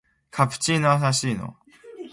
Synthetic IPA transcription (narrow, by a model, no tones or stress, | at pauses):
kʰapɯ̟̥t͡ɕiːnoas̬aɕiːno̰